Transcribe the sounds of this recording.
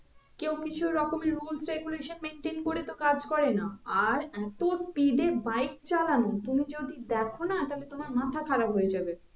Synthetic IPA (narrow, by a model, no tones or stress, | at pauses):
kew̃kit͡ɕʰuɾɔkomeɾulsɾeɡuleʃonmenʈenkoɽet̪okad͡ʑkɔɾenaaɾɛt̪ospiɖebajk̚t͡ɕalanot̪umid͡ʑod̪id̪ɛkʰonat̪alet̪omaɾmat̪ʰakʰaɾabɦojed͡ʑabe